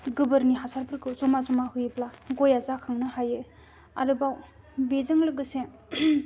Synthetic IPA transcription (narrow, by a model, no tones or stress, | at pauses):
ɡɯbɯɾniɦasaɾpʰɯɾkʰɯwzɔmazɔmahɯjɯplaɡojazakʰaŋnɯhajɯ | a̰ɾɯbaw | bezɯŋlɯɡɯse